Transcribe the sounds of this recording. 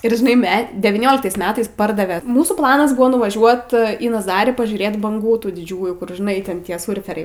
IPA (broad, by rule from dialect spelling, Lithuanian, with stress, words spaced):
ɪr ʒʲɪˈnɐɪ ˈmʲɛ dʲɛʋʲiːˈnʲoːlʲɪktɐɪs ˈmʲæːtɐɪs ˈpɐrdɐʋʲɛ ˈmuːsuː ˈplˠɑːnɐs ˈbʊʋoː nʊʋɐˈʒʲuɔt iː nɐˈzɑːrʲiː pɐʒʲuːˈrʲeːt bɐŋˈɡuː ˈtuː dʲɪˈd͡ʒʲuːjuː kʊr ʒʲɪˈnɐɪ tʲɛn ˈtʲiɛ ˈsʊrʲfʲɛrʲɛɪ